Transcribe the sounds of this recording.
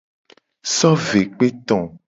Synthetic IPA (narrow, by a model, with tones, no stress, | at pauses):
sɔ˦ve˨k͡pe˦t̪ɔ̃˨